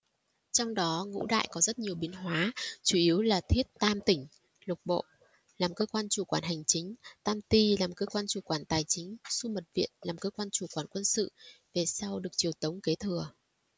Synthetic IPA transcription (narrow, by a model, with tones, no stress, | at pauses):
t͡ɕɔ˧wŋ͡mɗɔ˨˦ŋṵ˧˥ɗa̰ː˧˨jkɔ˨˦zə˦˥t̚ɲi˨˩əwɓi˨˦nɦwaː˨˦t͡ɕu˧˩ʔi˨˦əwlaː˨˩t̪ʰi˦˥ət̚t̪aː˧mt̪ï˧˩ŋ̟ | lʊ˨˩k͡p̚ɓo̰˧˨ | laː˨˩mkəː˧kwaː˧nt͡ɕu˧˩kwaː˧˩nɦa˨˩jŋ̟t͡ɕï˨˦ŋ̟t̪aː˧mt̪i˧laː˨˩mkəː˧kwaː˧nt͡ɕu˧˩kwaː˧˩nt̪aː˨˩jt͡ɕï˨˦ŋ̟su˧mə˨˩t̚vḭ˧˨ənlaː˨˩mkəː˧kwaː˧nt͡ɕu˧˩kwaː˧˩nkwə˧nsɨ̰˧˨ve˨˩sa˧wɗɨ˨˩ək̚t͡ɕi˨˩əwt̪ə˨˦wŋ͡mke˨˦t̪ʰɨ˨˩ə